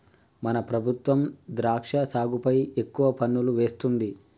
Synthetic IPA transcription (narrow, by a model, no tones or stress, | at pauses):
mɐnɐpɾɐbʱut̪ʋɐmd̪ɾaːkʂɐsaːɡupɐje̞kːuʋɐpɐnːuluʋe̞ːst̪und̪i